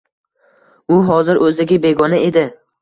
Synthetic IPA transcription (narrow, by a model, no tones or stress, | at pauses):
ʊɦɒzɪɾʔɵzɪɡʲabe̞ɡɒnaʔe̞d̪ɪ